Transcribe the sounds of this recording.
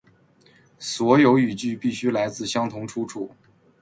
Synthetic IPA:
swɔ˧˥jo˧˥ʊy˨˩t͡ɕy˥˧pi˥˩ɕy˥la˧˥ɪt͡sɹ̩˥˩ɕjɑ˥ŋt̪ʰʊ˧˥ŋʈ͡ʂʰu˥ʈ͡ʂʰu˨˩˦

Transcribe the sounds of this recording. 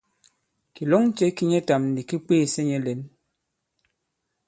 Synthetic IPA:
ki˨lo˦ŋ˦t͡ʃe˦ki˦ɲe˦ta˨mn̩˨di˨ki˦k͡peː˦˨se˦ɲe˦le˨˦n

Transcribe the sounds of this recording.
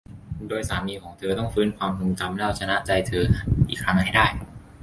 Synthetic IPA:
doː˧jsaː˩˦miː˧kʰɔː˩˦ŋt̪ʰɤː˧t̪ɔ˥˩ŋfɯː˦˥nkʰwaː˧mku˧ŋt͡ɕa˧mlaː˥˩wt͡ɕʰa˧na˦˥ʔt͡ɕa˧jt̪ʰɤː˧ʔiː˨˩kʰɾa˦˥ŋha˥˩jdaː˥˩j

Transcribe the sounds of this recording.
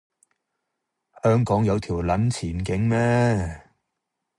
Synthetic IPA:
hœː˥ŋkɔː˨˥ŋjɐ˨˧wt̪ʰiː˨˩wlɐ˨˥nt͡sʰiː˨˩nkɪ˨˥ŋmɛː˥

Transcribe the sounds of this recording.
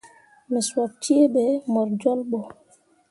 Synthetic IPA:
mɛ˨swa˨p̚t͡ʃi˦e˦ɓɛ˨mɔ˨ɾd͡ʒɔ˦lɓɔ˨

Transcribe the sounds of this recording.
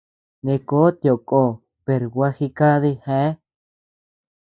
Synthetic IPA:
nẽ˧ko˦t̪jo˨kʼo˧˨ | pe˨ɾɡwa˦xi˧ka˦ði˧hẽ˦

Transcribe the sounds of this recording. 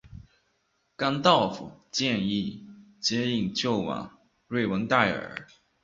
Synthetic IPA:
ka˥nt̪ɑ˥˩ʊfṵ˨˩t͡ɕjɛ˥˧ni˥˩t͡ɕjɛ˥i˥˧ŋt͡ɕjo˥˩ʊwɑ̰˨˩˦ŋ | ɹwe˥˩ɪwə˧˥ŋt̪a˥˩ɪə̰˞˨˧˩

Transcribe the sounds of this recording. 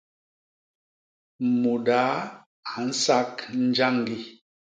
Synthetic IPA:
mu˨da˨˦ | a˨n̩˦sa˦kn̩˦d͡ʒa˦ŋɡi˦

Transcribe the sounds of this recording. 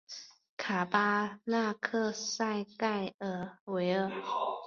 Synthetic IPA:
kʰa˨˩pa˥na˥˧kʰɤ˥˧sa˥˧ɪka˥˩ɪə˨˩we˧˦ɪə˨˩

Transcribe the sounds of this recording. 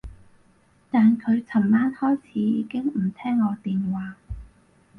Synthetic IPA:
t̪aː˨nkʰɵ˨˧ɥt͡sʰɐ˨˩mːaː˥nhɔː˥jt͡sʰiː˨˧˥jiː˨˧kɪ˥ŋmm̩˨˩t̪ʰɛː˥ŋːɔː˨˧t̪iː˨nwaː˨˧˥

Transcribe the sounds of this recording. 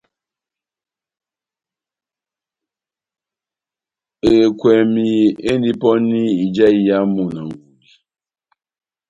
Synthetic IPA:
e˨kʷe˨mi˨e˦n˦di˦pɔ˦ni˦i˨d͡ʒa˦i˨ja˦mʊ˨na˨ŋ̩˨ɡʷu˨di˦

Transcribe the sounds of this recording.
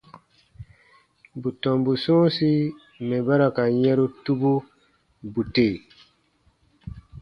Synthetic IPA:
bu˨tɔ˨mbu˨sũː˦si˦ | mɛ˨ba˦ɾa˨ka˨ɲɛ̃˦ɾu˦tu˦bu˦ | bu˨te˨

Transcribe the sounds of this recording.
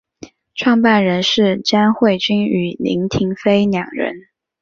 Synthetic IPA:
ʈ͡ʂʰwɑ˥˧ŋpa˥˩nɻə˧˥nʂɻ̩˥˩ʈ͡ʂa˥nxwe˥˩ɪt͡ɕy˥ny˨˩lḭ˧˥ŋt̪ʰi˧˥ŋfe˥ɪnjɑ˨˩ŋɻə̰˧˥n

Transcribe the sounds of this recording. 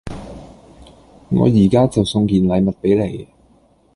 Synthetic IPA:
ŋɔ̰ː˨˧jiː˨˩kaː˥t͡sɐ˨wsʊ˧ŋkiː˨˩nlɐ˨˧jmɐ˨t̚pe˨˥jle˨˩j

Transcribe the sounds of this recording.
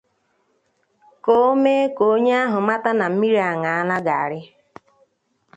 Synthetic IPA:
ko˦me˦ko˨˦ɲe˦a˦ɦʊ˨ma˦ta˦na˨m̩˦mi˦ɾa˨ŋa˨a˦la˦ɡa˨a˨ɾɪ˦

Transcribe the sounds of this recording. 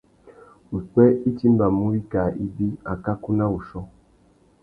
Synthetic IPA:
u˨twɛ˦i˦ti˦m˦ba˨mu˦i˦ka˨ʔi˦bi˦a˨ka˦ku˦na˦u˨ʃɔ˦

